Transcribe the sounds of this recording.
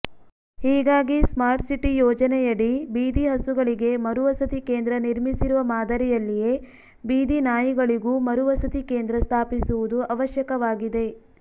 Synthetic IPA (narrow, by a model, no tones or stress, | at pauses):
hiːɡaːɡismaːɾʈsiʈːijɔːd͡ʒɐnɛjɐɽibiːd̪iɦɐsuɡɐɭiɡe̞mɐɾuʋɐsɐt̪ikeːnd̪ɾɐniɾmisiɾuʋɐmaːd̪ɐɾɛjɐlːije̞ | biːd̪inaːjiɡɐɭiɡumɐɾuʋɐsɐt̪ike̞ːnd̪ɾɐst̪ʰaːpisuʋud̪uʔɐʋɐʃjɐkɐʋaːɡid̪e̞